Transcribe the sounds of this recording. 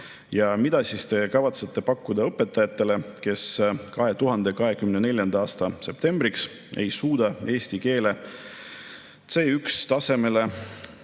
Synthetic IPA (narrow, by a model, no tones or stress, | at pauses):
jɑmid̪̥ɑsist̪e̞kɑvɑt̪se̞t̪ːˑe̞pɑkːud̪̥ɑɤpːˑe̞t̪ːˑɑjɑt̪ˑːe̞le̞ke̞skɑɦe̞t̪uɦɑnd̪e̞kɑɦe̞kymne̞ne̞lʲjɑnd̪ɑɑːst̪ɑse̞p̚t̪e̞mbɾiks | e̞̰jsuːd̪̥ɑe̞ːsʲt̪ike̞ːle̞ | t̪seːykst̪ɑse̞me̞le̞